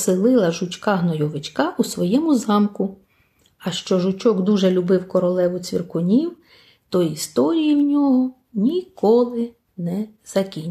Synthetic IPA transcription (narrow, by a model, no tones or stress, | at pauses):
sɪlˠɪlˠɐʒʊt͡ʃʲkɑɦnɔjɔʋɪt͡ʃkɑʔusʋɔjɛmʊzɑmkʊ | ɐʃt͡ʃɔʒʊt͡ʃɔɡd̪uʒɛlʲʊbɪwkɔɾɔlˠɛʋʊt͡sʲʋʲḭrkʊnʲiw | t̪ɔist̪ɔɾʲijiwnʲɔɦɔ | nʲikɔlˠɪ | nɛz̥ɐkʲinʲ